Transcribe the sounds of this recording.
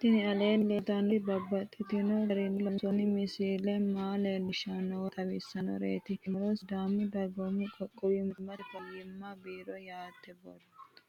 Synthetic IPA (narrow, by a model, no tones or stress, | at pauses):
t̪ɪnɪɐleːnlɛt̪ɐnbɐbːɐt̪ʼːɪt̪ɪnɔɐɾɪnlɔnsɔnɪmɪsiːlɛmaːleːnɪʃɐnɔt̪ʰʼɐwɪsːɐnɔ̰ɾḛːt̪ɪmɾɔsd̪aːmːɪd̪ɐɡomɪkʼɔkʼːɔwɪmɪmɐɾɪfɐjɪmːabiːɾɔjaːt̪ːɛbɔ̰dtt̪